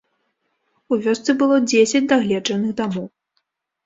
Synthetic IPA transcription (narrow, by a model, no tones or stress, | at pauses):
uvʲɔst̪sɨbɨlˠɔd͡zʲesʲɐt͡sd͡zʲd̪aɣlʲɛd͡ʐɐnɨxd̪amɔw